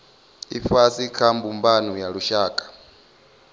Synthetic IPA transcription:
ifasikʰambumbanujaɺuʃaːkʼḁ

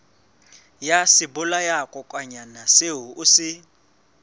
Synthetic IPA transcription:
jasɪbʊlajakʼɔkʼwaɲanaseɦuʔusɪ

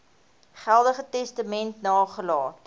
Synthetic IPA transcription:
χælˠdəχətɛstəmɛntnɑːχəlɑːt

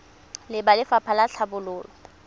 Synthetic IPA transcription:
lɪbalɪfapʰalaɬʰabʊlʊːlɔ

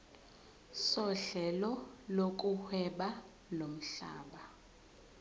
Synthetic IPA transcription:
sɔɬɛlɔlok̬ʼuhwɛɓa | lom̩ɬa̰ːɓa

